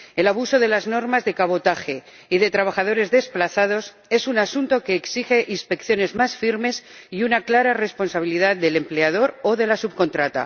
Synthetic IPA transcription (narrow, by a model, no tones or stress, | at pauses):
e̞laβ̞uso̞ðe̞lazno̞ɾmazðe̞kaβo̞t̪axe̞ | iðe̞t̪ɾaβ̞axað̞o̞ɾe̞zðe̞splaθað̞o̞s | e̞sunasunt̪o̞ke̞ːksixe̞ʔinspe̞kθjo̞ne̞zmasfiɾme̞siunaklaɾare̞spo̞nsaβ̞iliðaððe̞le̞mpleaðo̞ɾo̞ðe̞lasuβko̞nt̪ɾat̪a̰